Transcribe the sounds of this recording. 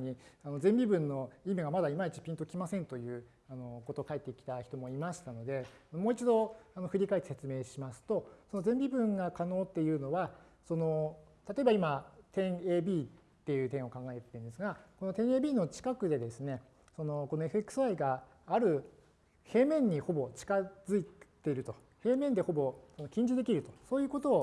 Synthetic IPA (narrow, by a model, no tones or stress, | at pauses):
ɲ̟iano̞zẽ̞mbʲibɯ̟̃nːo̞imiɡamad̪aimait͡ɕi̥pʲĩnt̪o̞kʲimasẽ̞nt̪o̞jɯ̟ː | ano̞ko̞t̪o̞kaet̪ːe̞ikʲi̥t̪açi̥t̪o̞mo̞imaɕi̥t̪ano̞d̪e̞anomo̞ːit͡ɕid̪o̞anoɸɯ̟ɾʲikaet̪ese̞t͡sɨme̞ːɕimasɨ̥t̪o̞so̞no̞zẽ̞mʲbʲibɯ̟̃ŋɡakano̞ːt̪ːe̞jɯ̟ːno̞βa | so̞no̞t̪at̪o̞e̞baimat̪ẽ̞ɰe̞ːbʲiː | t̪ːe̞jɯ̟ːt̪ẽɰ̃o̞kãŋɡaet̪ːeɯ̃nd̪e̞sɨɡako̞no̞t̪ẽ̞ɰ̃e̞ːbʲiːno̞t͡ɕi̥kakɯ̟d̪e̞d̪e̞sɨne̞ | so̞no̞ko̞noe̞ɸɯ̟e̞kɯ̥sɨaiɡaː | ɾɯ̟ | he̞ːmẽ̞ɲ̟ːiho̞bo̞t͡ɕi̥kazɨit̪e̞ɾɯ̟t̪o̞ | he̞ːmẽ̞nd̪e̞ho̞bo̞so̞no̞kʲĩɲ̟d͡ʑid̪e̞kʲiɾɯ̟t̪o̞so̞ːjɯ̟ːko̞t̪o̞ː